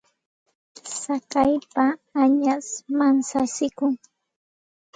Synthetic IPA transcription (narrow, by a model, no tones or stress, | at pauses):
sakajpaːɲasmansasɪkʊŋ